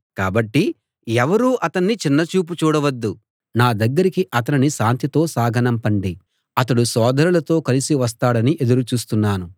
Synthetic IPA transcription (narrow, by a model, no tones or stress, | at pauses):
kaːbɐʈːi | ɛʋɐɾuːʔɐt̪ɐnːit͡ʃinːɐt͡ʃuːp̬ut͡ʃuːɽɐʋɐd̪ːu | naːd̪ɐɡːɐɾikiʔɐt̪ɐniniʃaːnt̪it̪o̞ːsaːɡʱɐnɐmpɐɳɖi | ɐt̪ɐɽusɔːd̪ʱɐɾulɐt̪o̞ːkɐlisiʋɐs̬t̪aːɽɐniʔe̞d̪uɾut͡ʃuːst̪unːaːnu